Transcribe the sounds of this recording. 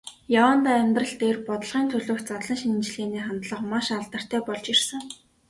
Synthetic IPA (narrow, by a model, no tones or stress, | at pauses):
jawənt̪aːæmʲt̪rə̆ɬt̪eːrpɔt̪ə̆ɮʁiːnt̪ʰɵɮoːxt͡sat̪ɮə̆ŋʃinnt͡ɕɮeːniːχant̪ɮə̆qmaʃaɮt̪ə̆r̥t̪ʰæːpɔɮt͡ɕirsə̆ŋ